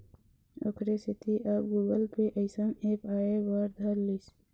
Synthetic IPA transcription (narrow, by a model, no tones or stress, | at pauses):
o̰kʰɾesɪt̪iʔɐbɡuːɡəlpeʔəɪsəmeːpaːebaːɾd̪ʱɐɾːis